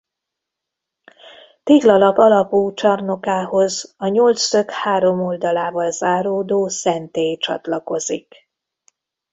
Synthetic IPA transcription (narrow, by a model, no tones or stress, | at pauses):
t̪eːɡlɒlɒɡɒlɒpuːt͡ʃɒrno̞kaːho̞zɒɲolt̪søkhaːɾo̞mold̪ɒlaːvɒlzaːɾoːd̪oːsɛnt̪eːt͡ʃɒ̰t̪lɒko̞zik